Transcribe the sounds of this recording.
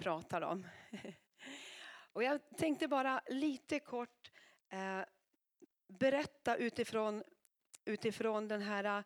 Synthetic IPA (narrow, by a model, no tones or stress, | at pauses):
pʰɾɑːt̪ʰaɾɔ̰m | ɔjaːɡt̪ʰɛŋk̚t̪əbɑːɾaliːt̪əkʰɔʈː | bɛɾɛt̪ːaʔʉ̟ːt̪ɪfɾoːn | ʉ̟ːt̪ɪfɾoːnd̪ɛnɦæːɾa